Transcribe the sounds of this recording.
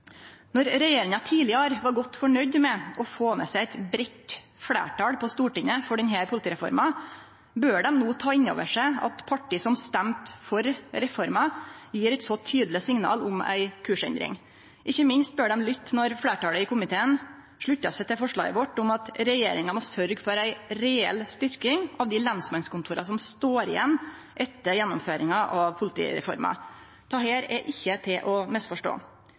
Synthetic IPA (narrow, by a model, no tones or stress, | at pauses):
nɔɾɾɛjeːɾɪŋɑt̪ʰiːlɪɑɾʋɑɾɡɔt̪ːfɔɳœʏd̪mɛʔɔfoːmɛ̰sæɪæɪt̪bɾɛt̪fɽḛːʈɑːɽpʰɔst̪uːʈɪnːəfɔɖɛnɦæːɾpʰʊlɪt̪iːɾɛfɔ̰ɾmɑ | bøːɖɛmnoːt̪ʰɑːɪnːo̰ːʋə̰ʂæɪɑ̰t̪pʰɑʈiːsɔmst̪æmt̪fɔɾɾɛfɔɾmɑjiːɾæɪt̪sɔt̪ʰyːd̪lɪsɪŋnɑ̰ːlʊmæ̰ɪkʰʉːʂɛ̰nd̪ɾɪ̰ŋ | ʔɪçːəmɪnst̪̚bøːɖɛmlʏt̪ːnɔɾfɽeːʈɑːləɪkʊmɪt̪ʰeːən | ʂɭʉtːɑsɛɪt̪ɪlfɔʂɭɑ̰ːɡə̰ʋɔʈʊmɑt̪ɾɛjeːɾɪŋɑmɔsœɾɡfɔɾæɪɾɛɛ̰lːst̪ʏɾkɪŋɑʋd̪ɪlɑnsmɑnskʊnt̪ʰuːɾɑsɔmst̪oːɾɪjɛ̰nː | ʔɛt̪ːəɾjɛnːʊmføːɾɪŋɑʔɑʋpʰʊlɪt̪ʰḭːɾɛ̰fɔ̰ɾmɑ̰ | t̪ʰɑːheːɾɛʔɪçːət̪ʰɪlʔɔmɛst̪fɔʂʈo̰ː